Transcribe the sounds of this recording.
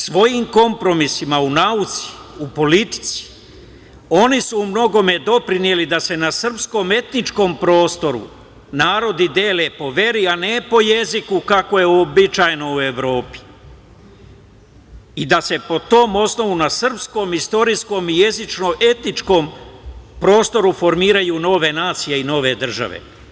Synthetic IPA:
sʋo̞jimko̞mpɾo̞misimaunaut̪si̥upo̞lit̪i̥t̪si̥ | o̞nisuːmno̞ɡo̞me̞d̪o̞pɾinje̞lid̪ase̞nasr̩psko̞ːme̞t̪nit͡ʃko̞ːmpɾo̞ːst̪o̞ɾṵ | naːɾo̞d̪id̪eːle̞po̞ʋe̞ɾianepo̞je̞zikukako̞je̞obit͡ʃajno̞ue̞ʋɾo̞ːpi̥ | id̪ase̞po̞t̪o̞ːmo̞sno̞ʋunasr̩psko̞ːmist̪o̞ɾisko̞ːmije̞zit͡ʃno̞ʔe̞t̪nit͡ʃkoːmpɾo̞ːst̪o̞ɾufo̞ɾmiːɾajuːno̞ʋe̞naːt̪sije̞ino̞ʋe̞d̪r̩ʒa̰ʋḛ

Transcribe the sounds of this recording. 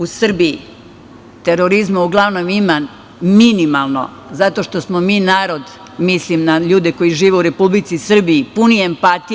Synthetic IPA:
usr̩bii | t̪eɾoɾizmauɡlˠaʋno̞miman | minimalˠno̞̰ | zat̪o̞ʃt̪o̞smomiːnaːɾo̞d̪ | mislimnaʎuːd̪eko̞jiʒiːʋeuɾe̞publit̪sisr̩bijipuniempat̪i

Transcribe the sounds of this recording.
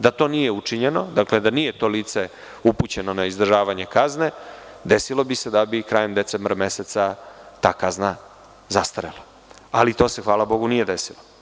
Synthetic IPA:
d̪at̪o̞ːnijeut͡ʂiɲe̞no̞d̪akle̞d̪anije̞t̪o̞liːt̪se̞ | uput͡ɕe̞no̞naizd̪ɾ̩ʒaːʋaɲe̞kazne̞ | d̪e̞silˠo̞bise̞d̪abikɾaːje̞md̪e̞t̪sembɾame̞set̪sat̪aːkazna | zast̪aɾelˠa | alit̪o̞ːsexʋaːlabo̞ɡunije̞d̪e̞silo

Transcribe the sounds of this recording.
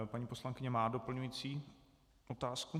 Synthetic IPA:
paɲiːpo̞slaŋkɪɲɛmaːdo̞pl̩ɲujiːt͡siː | ʔot̪aːsku

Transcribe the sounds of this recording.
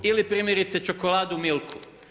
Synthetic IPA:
ilipɾiːmjeɾit̪set͡ʃokolˠaːd̪umilˠku

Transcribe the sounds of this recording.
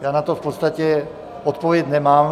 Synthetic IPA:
jaːnat̪ofpot̪st̪acɛ | ot̪povjɛcnɛmaːm

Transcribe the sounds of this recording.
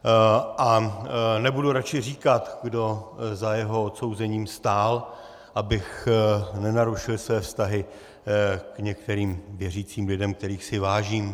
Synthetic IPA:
ʔanɛbuduɾat͡ʃɪr̝iːkat̪ɡdo̞zajɛɦoot̪so̞wzɛɲiːmst̪aːl | ʔabɪxnɛnaɾuʃɪlsvɛːfst̪aɦɪ | kɲɛkt̪ɛɾiːmvjɛriːt͡siːmlɪdɛmkt̪ɛɾiːxsɪvaːʒiːm

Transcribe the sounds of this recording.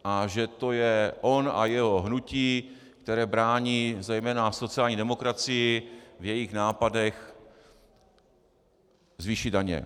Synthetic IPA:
ʔaʒɛt̪o̞jɛʔo̞na̰jɛɦo̞ɦnuciː | kt̪ɛɾɛːbɾaːɲiːzɛjmɛːnaso̞t͡sɪaːlɲiːdɛmo̞kɾat͡sɪjɪvjɛjɪxnaːpadɛx | zviːʃidaɲɛ̰

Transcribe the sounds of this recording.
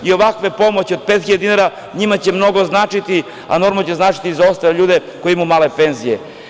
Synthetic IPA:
io̞ʋakʋe̞po̞mot͡ɕio̞d̪̚pet̪xiʎad̪inaɾa | ɲimat͡ɕe̞mno̞ɡo̞znaːt͡ʃit̪i | a̰no̞ɾmot͡ɕe̞znaːt͡ʃi̥t̪izao̞st̪aleʎuːd̪eko̞jimumaːle̞pe̞nzije

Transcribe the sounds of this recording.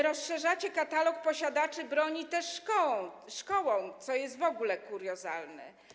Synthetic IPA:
ɾɔsʂɛʐat͡ɕɛkat̪alɔk̚pɔɕad̪at͡ʂɘbɾɔɲit̪ɛʂːkɔwɔ̃w̃ | ʂkɔwɔ̃w̃t̪sɔjɛst̪vɔɡulɛkuɾjɔza̰lnɛ̰

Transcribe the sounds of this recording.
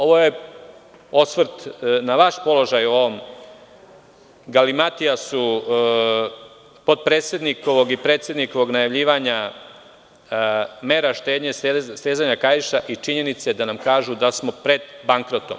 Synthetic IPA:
o̞ʋo̞je̞ | o̞sʋɾ̩t̪naʋaʃpo̞lˠo̞ʒajo̞ʋom | ɡalimat̪iasu | po̞d̪̚pɾeːt̪sje̞d̪nikoʋo̞ɡipɾet̪sje̞d̪niko̞ʋo̞ɡnajaʋʎiːʋaɲa | me̞ːɾaʃt̪e̞ːd̪ɲesst̪eːzaɲakajiʃaʔit͡ʃiɲe̞nit̪sed̪anamkaːʒud̪asmo̞pɾe̞d̪baŋkɾo̞t̪om

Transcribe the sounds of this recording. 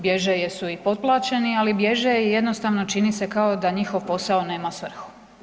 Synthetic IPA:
bje̞ʒejesuipo̞d̪̚plˠaːt͡ʃe̞nialibje̞ʒejeje̞d̪nost̪aʋno̞t͡ʃinise̞kaod̪aɲixo̞ʋpo̞saone̞ːmasʋr̩xu̥

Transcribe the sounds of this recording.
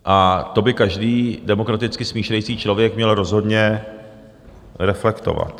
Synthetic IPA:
ʔat̪o̞bɪkaʒdiːdɛmo̞kɾat̪ɪt͡skɪsmiːʃlɛjt͡siːt͡ʃlo̞vjɛkmɲɛlɾo̞zɦo̞dɲɛ | ɾɛflɛkt̪o̞̰va̰t̪

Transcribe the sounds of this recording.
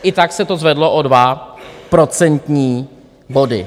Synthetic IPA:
ʔɪt̪aksɛt̪o̞zvɛdloʔodvapɾo̞t͡sɛnt̪ɲiː | bo̞dɪ̰

